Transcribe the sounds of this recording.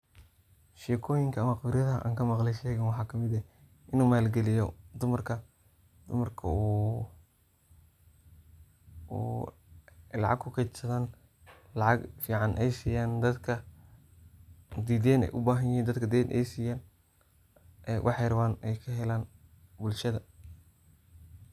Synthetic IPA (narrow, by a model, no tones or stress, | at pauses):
ʃɛːkʰɔːjɪŋkʰɐːmɐqbɾjɐðɐʔa̰ːŋkʰɐmɑqlɛjʃɛːɣɐnwɑħɑːkʰɐmɪd̪ɛ | ɪnuːmaːlɡɛlɪjɔd̪ʊmɐrkʰɐ | d̪̥ʊmɐrkʰɐ̰uː | lɑ̰ʕɑ̰ɡ̚kʰʊkʰɛt͡ʃsɐðaːn | lɑʕɑɡfiːʕɑnʔɛjsiːjaːnd̪ɐd̪kʰɐ | d̪iːd̪ɛːnɛ̰jʔʊbaːɦɐnjɛːnd̪ɐd̪kʰɐd̪ɛːd̪ʔɛ̰jsiːjaːn | ʔɛwʔɑ̰ħejɾɐwaːnɛjkʰɐɦɛlaːnbʊlʃɐðɐ